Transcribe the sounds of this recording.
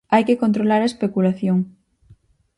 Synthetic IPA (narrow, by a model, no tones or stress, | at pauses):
ajkekont̪ɾolaɾaespekulaθjoŋ